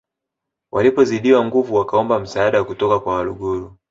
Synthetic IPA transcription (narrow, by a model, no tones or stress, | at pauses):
wʔalipɔziɗiwaŋɡuvuwakaɔmbam̩saːɗawakutɔkakwawaluɡuɾu